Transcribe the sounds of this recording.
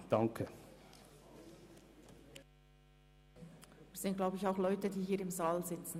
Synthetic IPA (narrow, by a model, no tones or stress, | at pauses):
d̥ɑŋkʰə | iːsɪnt̚ɡ̥laʊəɪçaʊxlɔʏtədiːɦiːɾɪmzaːlzɪt͡sn̩